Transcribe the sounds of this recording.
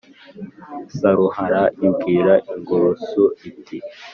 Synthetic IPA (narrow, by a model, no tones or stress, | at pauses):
saɾuhaɾaibɡiːɾaʔiŋɡoɾsoʔitʰi